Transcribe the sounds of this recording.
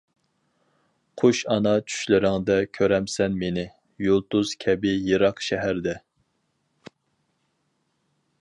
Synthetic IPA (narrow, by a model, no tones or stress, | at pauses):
qʰoʃɑnɑt͡ʃʰy̥ʃlɪɾɪŋd̪ɛkʲʰøɾɛmsɛnmenɪ | jolˠt̪uz̥kʲʰɛbɪjeɾɑqʃɛɦæɾd̪ɛ